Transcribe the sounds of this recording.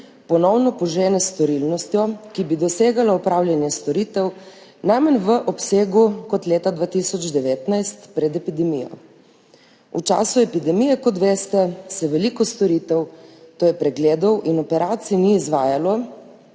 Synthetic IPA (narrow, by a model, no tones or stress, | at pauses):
pɔnɔwnɔpɔʒɛːnɛst̪ɔɾilnɔst̪jɔkibid̪ɔseːɡalaɔpɾawlʲjanjɛst̪ɔɾiːt̪ɛw | najmɛnʋəʔɔpseːɡukɔt̪leːt̪ad̪ʋaːt̪isɔd͡ʒd̪ɛʋeːt̪najst̪pɾɛd̪ɛpid̪ɛmijɔ̰ | ut͡ʃa̰ːsuɛpid̪ɛmijɛkɔt̪ʋeːst̪ɛsɛʋɛlikɔst̪ɔɾit̪ɛwt̪oːjɛpɾɛɡleːd̪ɔwʔinɔpɛɾaːt̪siniːzʋaːjalɔ